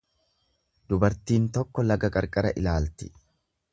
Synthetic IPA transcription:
d̪ʊbɐɾt̪iːnt̪ɔkːɔlɐɡɐkʼɐɾkʼɐɾɐʔɪlaːlt̪ɪ̥

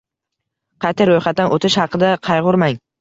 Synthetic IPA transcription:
qʰɑt̪ʰɪɾojχɑt̪̚ːanʔot̪ʰɪʃhɑqʰɨd̪aqʰɑjʁʊɾmaŋ

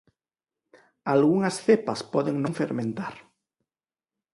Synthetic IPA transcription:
alɣuŋɐsθepaspɔðeŋnõŋfḛɾmẽnt̪aɾ

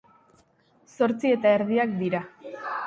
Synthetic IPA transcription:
so̞ɾt͡sie̞t̪aeɾðiak̚d̪iɾa

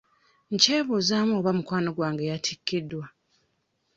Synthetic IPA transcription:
ɲce̞ːβuzaːmoːβamukwaːnoɡwaːŋɡejatʰikːidːwa

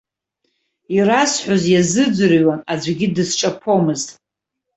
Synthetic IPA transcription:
irasħʷozjazɨd͡zʷɨrɥwanad͡zʷɡʲidɨsʈ͡ʂʼapʰomɨztʼ

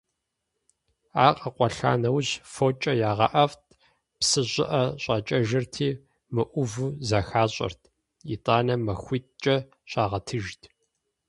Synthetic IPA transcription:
aːqʼɐqʷʼɔɬa̰ːnɐwɕfoːt͡ʃʼɐjaːʁɐʔɐftʰʼ | psɨɕʷʼɪ̰ʔɐɕʼɐt͡ʃʼɐʒɐrtʰiː | mɨʔʷʊvɨzaxaːɕʼɐ̰rtʰ | ḭtʼaːnɐmɐxʷiːtʼt͡ʃʼɐ | ɕʼaːʁɐtʰɨʒtʰ

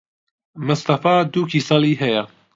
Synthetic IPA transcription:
mɨst̪ɑfaːd̪ukʰisɑliːɦɛja

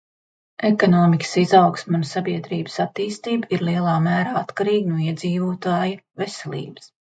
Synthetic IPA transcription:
ekɔnɔːmikə̥sizawksmunsabiɛd̪ɾiːbə̥sat̪ːiːst̪iːbiɾliɛlˠɑːmæːɾaːat̪kaɾiːɡnuɔiɛd̪ziːvuːt̪aːjɐvesɛlʲḭːbə̥s

